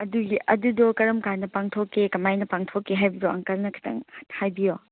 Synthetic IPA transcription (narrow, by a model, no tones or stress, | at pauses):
ɐduɡiʔɐdudɔkɐɾɐmkanɐpaŋtʰokːekɐmajnɐpaŋtʰokːeɦajbidoɐ̰ŋkɐlnɐkʰi̥tʰɐ̰ŋhajbijo